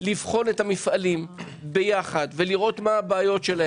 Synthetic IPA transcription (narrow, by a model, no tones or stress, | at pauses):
livχo̞nethamifʔalim | be̞jaχadveliʁo̞tmaːbaːjo̞tʃe̞la